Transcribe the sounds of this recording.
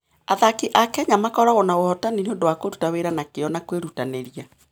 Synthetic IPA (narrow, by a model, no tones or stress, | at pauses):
aðakiʔakɛɲamakɔɾaɣonaohɔtanineondowakoɾutaweɾanakeɔnakweɾutaneɾia